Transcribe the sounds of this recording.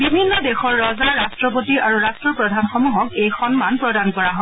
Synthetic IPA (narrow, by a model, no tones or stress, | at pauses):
bibʱinːɔdexɔɹːɔzaɹastɹɔp̬otiʔaɹuɹastɹɔpɹɔdʱanxɔmuɦɔkejxɔnmanpɹɔdankɔɹaɦɔ̃